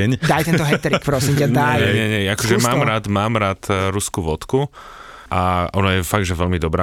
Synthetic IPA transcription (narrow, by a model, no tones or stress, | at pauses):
ɛɲd̪ajt̪ɛnt̪ɔɦɛt̪ɛɾikpɾɔsimcaɲd̪ɛajɲɛɲɛɲɛakɔʒɛmaːmɾaːd̪maːmɾat̪ɾuskuʋɔt̪ku | ʔaɔnajɛfaɡd̪ʒɛʋɛʎmid̪ɔbɾaː